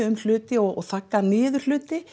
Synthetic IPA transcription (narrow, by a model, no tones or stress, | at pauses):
ʏml̥ʏːt̪ɪɔɣɔ̰ɣθakːanɪːðʏr̥l̥ʏːt̪ɪ